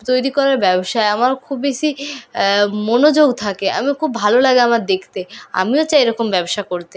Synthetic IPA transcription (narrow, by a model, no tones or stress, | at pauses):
t̪ojɾikɔɾaɾbɛboʃaeamaɾkʰubbeʃi | monod͡ʑoɡt̪ʰakea̰mikʰubːʱalolaɡeamaɾd̪ekʰt̪ea̰miot͡ɕaeɾɔkombɛboʃakoɾt̪e